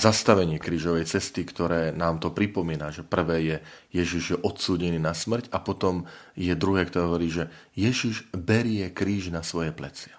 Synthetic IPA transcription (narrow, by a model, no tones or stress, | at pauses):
zast̪aʋɛɲɪɛkɾiːʒɔʋɛjt͡sɛst̪ikt̪ɔɾɛːnaːmt̪ɔpɾipɔmiːnaʒɛpr̩ʋɛːjɛjɛʒiʒjɛʔɔt̪suːɟɛniːnasmr̩capɔt̪ɔmjɛd̪ɾuɦɛːkt̪ɔɾɛːɦɔʋɔɾiːʒɛ | jɛʒiʒbɛɾɪɛkɾiːʒnasʋɔjɛplɛt͡sɪa